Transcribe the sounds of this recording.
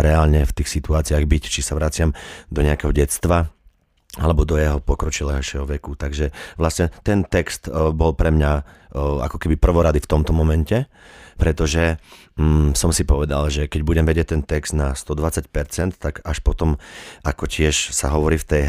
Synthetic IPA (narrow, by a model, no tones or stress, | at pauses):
ɾɛalɲɛft̪iːxsit̪uaːt͡siaɣbict͡ʃisaʋɾat͡sɪamd̪ɔɲɛakɛɦɔɟɛt͡st̪ʋa | alɛbɔd̪ɔjɛɦɔpɔkɾɔt͡ʃilɛːɦɔʃɛɦɔʋɛkut̪aɡʒɛʋlasɲɛt̪ɛnt̪ɛkst̪bɔlpɾɛmɲaa̰kɔkɛbipr̩ʋɔɾad̪ift̪ɔmt̪ɔmɔmɛncɛ | pɾɛt̪ɔʒɛ | sɔmsipɔʋɛd̪alʒɛkɛɟbuɟɛmʋɛɟɪɛc̚t̪ɛnt̪ɛkz̥d̪nast̪ɔd̪ʋat͡sacpɛɾt͡sɛnt̪ːaɡaʃpɔt̪ɔmakɔcɪɛʃsaɦɔʋɔɾiːft̪ɛj